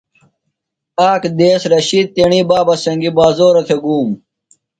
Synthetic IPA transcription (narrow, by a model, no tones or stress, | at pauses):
aːkd̪eːsɾɐɕiːd̪̚t̪eɳiːbaːbɐsɐŋɡibaːzoːɾɐt̪ʰeɡuːm